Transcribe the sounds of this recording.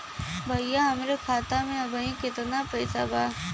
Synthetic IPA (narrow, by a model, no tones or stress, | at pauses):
bʱɐjaɦɐmɾekʰaːt̪amẽɐbʱəĩkɪt̪napɐjsabʱaː